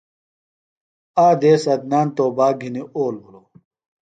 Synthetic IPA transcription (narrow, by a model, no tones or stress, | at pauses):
aːd̪eːsɐd̪̚naːnt̪oːbaːɡʱiniʔoːlbʱuloː